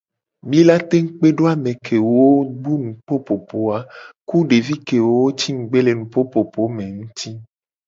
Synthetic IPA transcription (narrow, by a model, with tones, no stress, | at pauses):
mĩ˦la˦t̪e˦ŋ̩˦k͡pe˦ɖo˦a˨mẽ˨kʰe˨wo˦wo˦ɡ͡bu˦nũ˨k͡po˦po˨po˨a˨ku˦ɖe˨vi˦ke˨wo˦wo˦t͡ɕi˦ŋ̩˨ɡ͡be˦le˨nũ˨po˦po˨po˨˦mẽ˨ŋũ˦t̪i˦